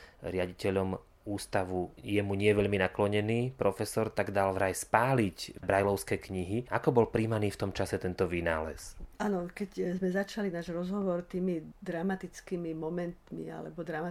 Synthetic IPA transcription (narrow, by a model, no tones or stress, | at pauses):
ɾɪaɟicɛʎɔm | uːst̪aʋujɛmuɲɪɛʋɛʎminaklɔɲɛniːpɾɔfɛsɔɾt̪aɡd̪alʋɾajspaːlicbɾajlɔʊskɛːkɲiɦiʔakɔbɔlpɾiːmaniːft̪ɔmt͡ʃasɛt̪ɛnt̪ɔʋina̰ːlɛ̰saːnɔkɛczmɛzat͡ʃalinaːʒɾɔzɦɔʋɔɾt̪iːmid̪ɾamat̪it͡skiːmimɔmɛnt̪mḭa̰lɛ̰bɔd̪ɾama